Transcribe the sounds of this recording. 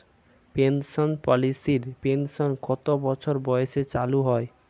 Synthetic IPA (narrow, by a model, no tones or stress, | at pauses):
pensonpɔlisiɾpensonkɔt̪obɔt͡ɕʰoɾbɔjeʃet͡ɕaluɦɔe